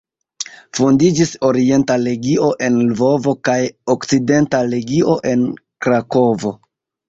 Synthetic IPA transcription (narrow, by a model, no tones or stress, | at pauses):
fondid͡ʒiso̞ɾie̞ntale̞ɡio̞ʔe̞nlvo̞vo̞kajokt͡side̞ntale̞ɡio̞ʔe̞nkɾako̞vo̞